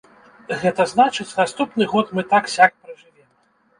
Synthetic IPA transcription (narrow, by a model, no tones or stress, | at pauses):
ɣɛt̪ɐznat͡ʂɨt͡sʲnast̪upnɨɣɔt̪mɨt̪aksʲak̚pɾɐʐɨvʲɛm